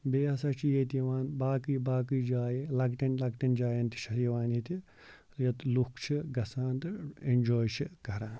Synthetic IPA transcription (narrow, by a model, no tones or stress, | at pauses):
beːɐsɐt͡ʃʰijet̪iʋaːnbaːkibaːkiːd͡ʒaːjelɐɡʈɐnlɐɡʈɐnd͡ʒaːjɐnt̪i̥ʃɐɾiiʋaːnit̪i | jɐt̪lukʰt͡ʃʰiɡɐsaːnd̪ɨend͡ʒoːjt͡ʃʰikɐɾãːn